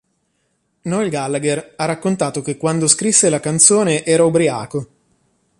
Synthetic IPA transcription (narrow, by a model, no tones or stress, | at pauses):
nɔilɡalːaɡerarːakːont̪aːt̪ok̟ekːwand̪oskɾisːelakant̪soːneʔɛːɾaobɾia̰ːko